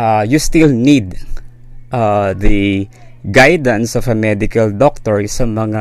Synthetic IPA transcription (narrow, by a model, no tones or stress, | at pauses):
ajust̪ilnid̪ | ʔad̪ɐ | ɡajd̪ɐ̃nsɔvɐmɛd̪ɪkɐld̪ok̚t̪ɔɹsɐmɐŋa